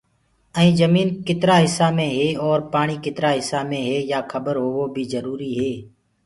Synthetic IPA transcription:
əĩːzəmiːnkɪt̪ɾaːɦɪsːaːmẽːɦeːɔːɾpaːɳ̃iːkɪt̪ɾaːɦɪsaːmẽːɦeːjaːkʰəbəɾɦoːoːbʱiːzəɾuːɾiːɦeː

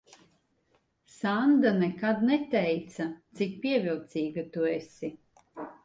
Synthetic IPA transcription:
sand̪anɛkad̪nɛt̪ɛjt̪sat̪sik̚piɛvilˠt̪siːɡat̪uɛsi

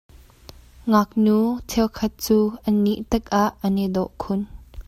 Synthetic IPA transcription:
ŋɐk̚nuːt͡sʰɛwkʰɐt̪̚t͡suːʔənːiʔt̪ək̚ʔaʔːənɛd̪ɔʔkʰʊn

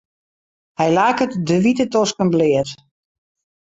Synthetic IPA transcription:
hɛjlaːkətdəʋitətɔskənblɪət

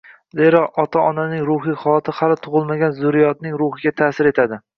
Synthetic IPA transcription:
zeɾɒqɒt̪ʰaɒnanɪŋɾʊhɪχɒlat̪ʰɪχalɪt̪ʰʊʁɨlˠmaɡʲanzʊɾijɒt̪̚nɪŋɾʊhɪɡʲat̪ʰaːsɪɾe̞t̪ʰad̪ɪ

